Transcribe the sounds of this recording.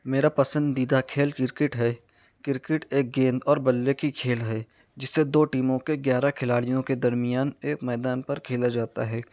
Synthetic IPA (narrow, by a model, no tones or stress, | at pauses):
meːɾapɐsə̃nd̪iːd̪akʰeːlkɪɾkɪʈɦɛ | kɪɾkɪʈeːk̚ɡẽːnd̪ɔːɾbɐlːekikʰeːlɦɛ | d͡ʒɪsːed̪oːʈiːmõkeɡjaːɾakʰɪlaːɽijõked̪ɐɾmijaːneːkmɛːd̪aːnpɐɾkʰeːlad͡ʒaːt̪a̰ɦɛː